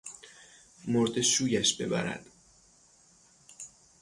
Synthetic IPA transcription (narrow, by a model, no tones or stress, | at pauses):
moɾd̪e̞suːjæʃbe̞̰bæ̰ɾæ̰d̪̥